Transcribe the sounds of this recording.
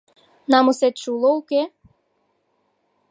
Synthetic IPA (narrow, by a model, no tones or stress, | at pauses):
nɑmuset̪ʃulouke